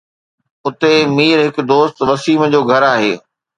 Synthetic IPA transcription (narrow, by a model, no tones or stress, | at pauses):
ʊt̪emiːɾɦɪkd̪oːst̪ʋɐsiːməd͡ʑoːɡʱɐɾaːɦḛː